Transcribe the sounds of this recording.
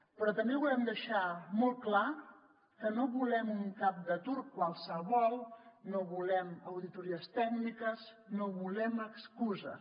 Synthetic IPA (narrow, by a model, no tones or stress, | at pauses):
pɾɔt̪əmbeβulɛmd̪əʃamolˠkla | kənoβulɛmuŋkap̚d̪ət̪uɾkwalˠsəβɔlˠnoβulɛməwðit̪uɾiəst̪ɛknikəz | noβulɛməkskuzə̰